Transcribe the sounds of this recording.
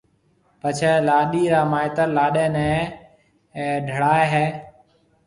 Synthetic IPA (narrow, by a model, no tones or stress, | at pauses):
pət͡ʃʰeːlaːɗiːɾaːmaːɪt̪əɾlaːɗẽːnẽː | ɖʱəɽaːeɦeː